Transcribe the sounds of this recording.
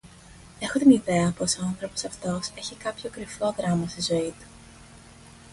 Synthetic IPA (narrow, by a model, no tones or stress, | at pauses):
e̞xo̞t̪iniðe̞ɐpo̞soɐnθɾo̞po̞sɐft̪o̞se̞çikɐpço̞kɾiflo̞ðɾɐmɐst̪izo̞it̪u̥